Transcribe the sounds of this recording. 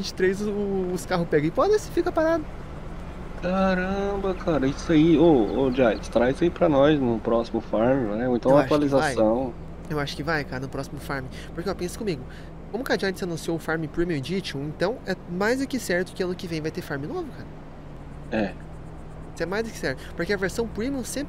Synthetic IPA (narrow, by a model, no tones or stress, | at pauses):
ʒɐẽt͡ʃɪ̥t̪ɾejzʊːskaɦʊpɛɡɐ̃ɪpɔd̪ɐsɪ̥fikɐpaɾad̪ʊ | kʰaɾɐ̃bɐkʰaɾɐisaiood͡ʒiajd̪ɪ̥st̪ɾajzaipɾɐnɔjznʊpɾɔsimʊfaɾmɪvajoẽt̪ɐ̃w̃aat̪alizavsasjɐ̃w̃ | ewaʃʊ̥kɪvajkaɾɐnʊpɾɔsimʊfaɾmɪ | poɾkeɔpẽsʊ̥kõmiɡʊ | kõmʊkad͡ʒajd̪zanũsioʊfaɾmɪpɾimũd͡ʒit͡ʃiʊ̃ẽnt̪ɐ̃w̃ɛmajzd̪ʊkɪsɛɾt̪ʊ̥kɪɐ̃nʊkɪvẽj̃vajt̪eɾfaɾmɪnovʊkaɾɐ | ɛ | sɛmajzd̪ʊkɪ̥sɛɾt̪ʊpoɾkɪɐveɾsɐ̃w̃pɾĩmiũw̃sẽmpɾɪ